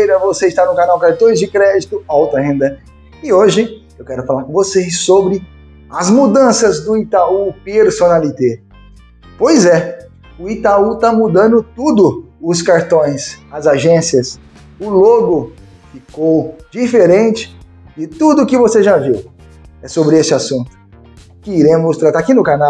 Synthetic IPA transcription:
ejɾɐvoseɪʃt̪aɾnʊkanawkaɾt̪õj̃zd͡ʒɪkɾɛd͡ʒit̪ʊawt̪ɐɦẽnd̪ɐ | ɪoʒɪ | ewkɛɾʊfalaɾkõvosesobɾɪ | ɐzmud̪ɐ̃sɐzd̪ʊit̪aupeɾsonalit̪e | pojzɛ | ʊit̪aut̪amud̪ɐ̃nd̪ʊt̪ud̪ʊʊskaɾt̪õj̃sɐzaʒẽsiɐs | ʊloɡʊ | fikowd͡ʒifeɾẽnt͡ʃɪ̥ | d͡ʒɪt̪ud̪ʊːkɪvoseʒaviw | ɛsobɾɪesɪasũnt̪ʊ̥ | kɪiɾẽmʊst̪ɾat̪akinʊkanaw

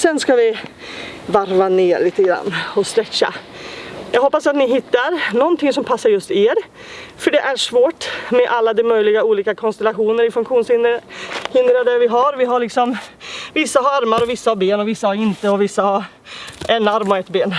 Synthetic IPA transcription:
sɛnskavɪ | vaɾvaneːɭiːt̪əɡɾa̰nːɔst̪ɾɛt͡ɕːa̰ | jɑːɡhɔpːasat̪nɪɦɪt̪ːaɾnɔnt̪ʰɪŋsɔmpʰasːaɾjɵst̪eːɾ | fœɖɛʔæɾʂvoːʈmɛʔalːad̪ɛmœjlɪɡauːliːkakʰɔnst̪ɛlaɧuːnəɾɪfɵŋkɧuːnsɪnhɪnd̪ɾad̪æɾvɪɦaɾvɪɦaɭɪksɔmvɪsːaɦaɾaɾmaɾɔvɪsːahaɾbeːnɔvɪsːahaɾɪnt̪əɔvɪsːahaɾ | ɛnːaɾmɔɛt̪beːn

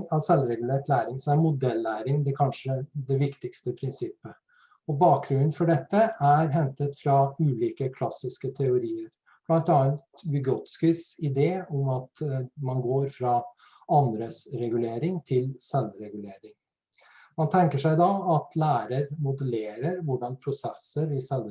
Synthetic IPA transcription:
ɑsɛlːɾɛɡʉleːʈlæːɾɪŋsɔmæɾmʊd̪ɛlːæːɾɪŋd̪ɛkʰɑnʂəd̪ɛʋɪkt̪ɪkst̪əpʰɾɪnsɪpːə | ɔbɑːk̚ɡɾʉnn̩fɔɖɛt̪ːəæɾɦɛnt̪ət̪fɾɑʉːliːkəkʰlɑsːɪskət̪ʰɛʊɾiːəɾ | b̥lɑnt̪ɔɑːnt̪bʏɡɔt̪skɪsɪd̪eːɔmɑt̪mɑnɡoːɾfɾɑ | ɑnd̪ɾəsɾɛɡʉleːɾɪŋt̪ʰɪlsɛlːɾɛɡʉleːɾɪŋ | mɑnt̪ʰɛŋkəʂæɪd̪ɑɑt̪ʰlæːɾəɾmʊd̪əleːɾəɾʋʊɖɑnpʰɾʊsɛsːəɾɪsɛlː

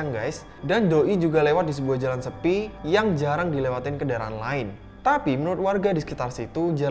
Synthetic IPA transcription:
ŋɡajs | dandoʔid͡ʒuɡalewat̪̚disəbuahd͡ʒalansəpijaŋd͡ʒaɾaŋdilewat̪ɪnkədaɾaanlaɪn | t̪apimənuɾʊt̪̚warɡadisə̥kit̪arsit̪ud͡ʒa

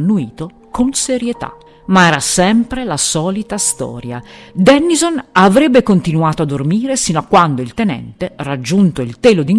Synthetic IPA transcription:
nːuiːt̪o | kʰonseɾjet̪a̰ | maɛːɾasɛmpɾelasɔːlit̪ast̪ɔ̰ːɾja̰d̪ɛnːizonavɾɛbːekont̪inuaːt̪oad̪ːormiːɾesinoakːwand̪oilt̪enɛ̰nt̪erad͡ʒːunt̪oilt̪eːlod̪iŋ

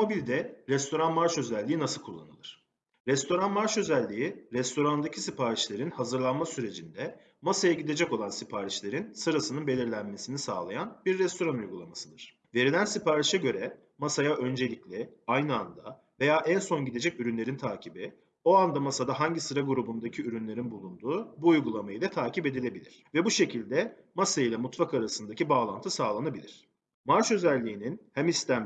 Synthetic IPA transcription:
mo̞bilʲd̪ɛɾɛst̪ʰo̞ɾanmaɾʃø̞zælʲːiːinasɯlˠkʰulˠːa̰nɯ̰lˠɯɾ̥ | ɾɛst̪ʰo̞ɾanmaɾʃø̞zælʲːijiɾɛst̪ʰo̞ɾand̪acʰi̥sipʰaːɾit͡ʃlʲe̞ɾinhazɯɾlˠanmasyɾe̞d͡ʒind̪ɛ | masajaɟid̪e̞d͡ʒɛko̞lˠansipʰaːɾit͡ʃlʲe̞ɾinsɯɾasɯnɯnbe̞lʲiɾlʲænme̞sinisa̰ːlˠajanbiɾːɛst̪ʰo̞ɾanujɡulˠamasɯd̪ɯɾ̥ | ve̞ɾilʲænsipaːɾiʃɛɟø̞ɾɛ | masajaʔø̞nd͡ʒe̞lʲiclʲɛajnɯand̪a | ve̞jaːʔænso̞nɟid̪e̞d͡ʒɛcyɾynlʲe̞ɾint̪ʰaːcʰibi | o̞and̪amasad̪aɦaɲɟisɯɾaɡuɾubund̪acʰiyɾynlʲe̞ɾinbulˠund̪uːbuːjɡulˠamajɯd̪ɛt̪ʰaːcʰipe̞d̪ilʲe̞bilʲiɾ̥vɛbuʃe̞cʰilʲd̪ɛ | masailʲˠɛmut̪fakaɾasɯnd̪acibaːlˠant̪ʰɯsaːlˠanabilʲiɾ̥ | maɾt͡ʃø̞zælʲːiːninhæmist̪ʰæm

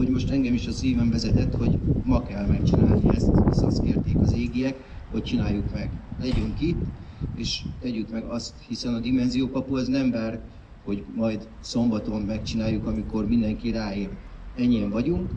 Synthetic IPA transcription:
oɟmo̞ʃt̪ɛŋɡɛmiʃɒsiːvɛɱvɛzɛt̪ɛt̪ːho̞ɟmɒkɛlmɛk̚t͡ʃina̰ːlniɛ̰st̪ɛ̰sɒ̰skeːrt̪eːkɒzeːɡiɛk | ho̞c̚t͡ʃinaːjːukmɛɡlɛɟøŋkit̪ːeːʃt̪ɛɟykmɛɡɒst̪hisɛnɒd̪imɛnzijoːkɒpuɛznɛmbar | ho̞ɟmɒjd̪ | so̞mbɒt̪o̞mmɛkt͡ʃinaːjːukɒmiko̞rmind̪ɛŋkiːɾaːilɛɲːiɛɱvɒɟuŋk

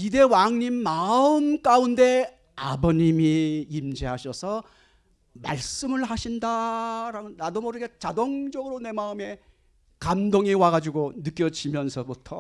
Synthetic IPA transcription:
ide̞waŋɲimːaɯmk͈aunde̞ | abʌɲimiimd͡ʑiɦaɕʰʌsʰʌ | ma̰ɭs͈ɯmɯɭɦaɕʰindaɾaɡɯnadomʌɾɯɡet͡ɕadoŋd͡ʑʌɡɯɾone̞maɯme̞ | kamdoŋiwaɡad͡ʑuɡonɯk͈jʌd͡ʑʰimjʌnsʰʌbutʰʌ

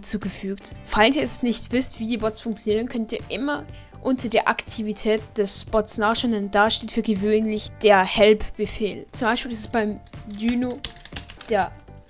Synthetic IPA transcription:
t͡suːɡəfyːktfaɪlsiːɐɛsnɪçtv̥ɪstv̥iːdiːbɔtsfʊŋk̚t͡sjoniːʁ̞ənkʰœntiːɐʔɪmɐ | ʔʊntɐdeːɐʔa̰ktʰivitʰɛːt̚d̥ɛsb̥ɔtsnaːχʃanɛnd̥aʃteːtfyːɐɡəvøːnlɪçd̥eːɐhɛlpb̥əfeːlt͡sʊmbaɪʃpiːlɪsɛsb̥aɪmdyːno | d̥eːɐ

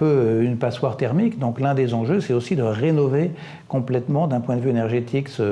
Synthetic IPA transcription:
pøynpaswaʁt̪ɛʁmikd̪ɔ̃klɛ̃d̪ezɑ̃ʒøsɛt̪osid̪əʁenɔve | kɔ̃plɛt̪mɑ̃d̪ɛ̃pwɛ̃d̪əvyenɛʁʒet̪ʰiksə

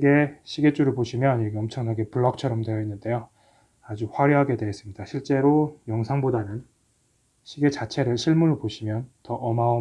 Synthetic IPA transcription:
ɡe̞ɕʰiɡe̞t͡ɕ͈uɾɯɭbpoɕʰimjʌniɾʌkeʌmt͡ɕʰʌŋnaɡe̞puɭːʌk̚t͡ɕʰʌɾʌmdwejʌinːɯnde̞jo | ad͡ʑuɸwaɾiɦaɡe̞dwe̞ɦːs͈ɯmɲid̥aɕʰiɭt͡ɕ͈e̞ɾojʌŋsʰaŋbodanɯn | ɕʰiɡe̞t͡ɕat͡ɕʰe̞ɾɯɭɕʰiɭmunoɭpoɕʰimjʌntʌʔʌmao

